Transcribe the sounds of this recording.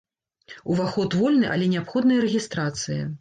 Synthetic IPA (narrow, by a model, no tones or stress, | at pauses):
uvaxɔt̪vɔlʲnɨʔa̰lʲɛnʲɛapxɔd̪nɨjɐɾɛɣʲist̪ɾat̪sɨjɐ̰